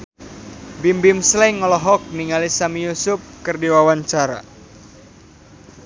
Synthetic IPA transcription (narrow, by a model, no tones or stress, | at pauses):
bimbimslɛŋɔlɔɦɔk̚niŋalisamijusʊp̚kɨrdiwawaɲt͡ʃaɾa̰